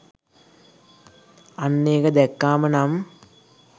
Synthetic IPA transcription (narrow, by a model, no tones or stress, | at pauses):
ɐnːeːɣɐd̪ekːaːmɐnam